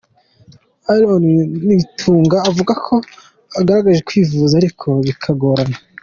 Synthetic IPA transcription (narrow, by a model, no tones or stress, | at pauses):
alonniitʰuːŋɡaːvuɡakʰo̞ | aɡaɾaɡaʒekwiːvuːzaːɾikʰo̞βikʰaɡo̞ːɾana